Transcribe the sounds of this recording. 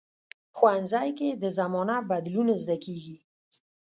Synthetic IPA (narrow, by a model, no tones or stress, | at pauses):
xwanzɑjked̪əzamɔnabad̪lunazd̪akeɡi